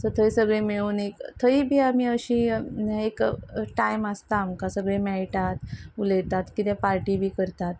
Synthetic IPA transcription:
sət̪ʰəisəɡɭemeɭuːnekt̪ʰəibʱiːamiːəɕiekʈajmast̪aːmkasəɡɭemɛɭʈat̪uləjt̪at̪kit̪ẽpaɾʈiːbʱiːkəɾt̪at̪

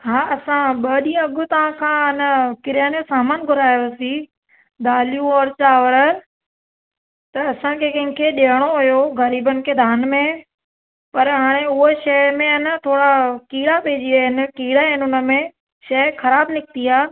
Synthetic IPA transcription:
ɦaːɐsãɓɐɗĩːɐɠʊt̪ɐʋ̤ãkʰãːɪnəkɪɾjaːnesaːmənɡʱʊɾaːjosi | d̪aːljũɔɾt͡ɕaːʋəɾə | t̪ɐɐsãkʰekɐ̃ɦɪ̃kʰeɗeːəɽ̃oɦʊjoɣɐɾiːbənɪ̆kʰeːd̪ʱaːnmẽ | pɐɾɦaːɽ̃eʊɦoʃɐjmẽɪnət̪ʰoːɽakiːɽapeːd͡ʑiaɦɪnɪ̆kiːɽaɦɪnɪʊnə̆mẽ | ʃɐːxɐɾaːbnɪk̚t̪iaː

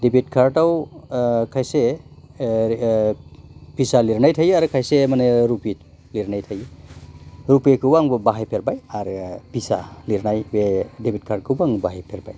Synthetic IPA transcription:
debit̚kʰaɾtaw | kʰajse | pisaliɾnajtʰajaɾɯkʰajsemaneɾupi | liɾnajtʰaj | ɾupekʰɯbaŋbbaɦajpʰeɾbajaɾpisaliɾnajwedebit̚kʰaɾt̚kʰɯbaŋbaɦejpʰeɾba̰j

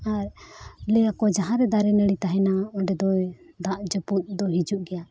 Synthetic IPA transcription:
aɾlɛjakɔd͡ʒaɦãɾɛd̪aɾɛnɛɽit̪aɦɛnaɔɖɛd̪ɔ | d̪aʔd͡ʒɔput̪̚ˀd̪ɔɦid͡ʒuʔɡɛja

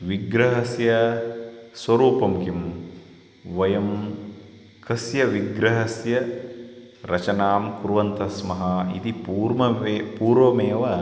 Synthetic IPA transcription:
ʋiɡɾɐɦɐsjɐ | sʋɐɾuːpɐmkim | ʋɐjɐm | kɐsjɐʋiɡɾɐɦɐsjɐ | ɾɐt͡ʃɐnaːmkuɾʋɐnt̪ʰɐsmɐɦɐḭt̪ipuːɾmɐpuːɾʋɐmeːʋɐ

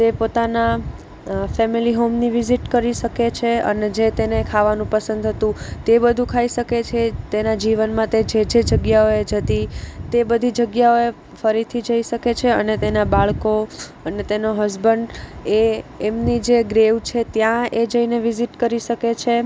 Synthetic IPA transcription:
t̪epot̪ana | fɛmiliɦomniʋiziʈkəɾiʃəket͡ʃʰeə̰ned͡ʒet̪enekʰaʋanũpəsə̃nd̪ʱɦət̪ũt̪ebəd̪ʱũkʰaiʃəket͡ʃʰet̪enad͡ʒiʋənmãt̪ed͡ʒed͡ʒed͡ʒəɡjaoed͡ʒət̪it̪ebəd̪ʱid͡ʒəɡjaoe | fəɾit̪ʰid͡ʒəiʃəket͡ʃʰeənet̪enabaɭko | ənet̪enoɦəzbəɳɖeːmnid͡ʒeɡɾeʋt͡ʃʰet̪jãed͡ʒəineʋiziʈkəɾiʃəket͡ʃʰe

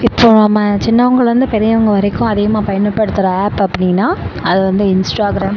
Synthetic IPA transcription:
ɪpːoːnamat͡ʃɪnːɐʊŋɡɐɭʋɐnd̪ɯpɛɾɪjɐʊŋɡɐʋɐɾɪkːʊ̃ɐðɪɣɐmaːpɐjɐnɯpːɐɽɯt̪ːɯɾɐaːpɐpːɐɽɪŋnːaːɐðɯʋɐnd̪ɯɪnsʈaːɡɪɾaːm

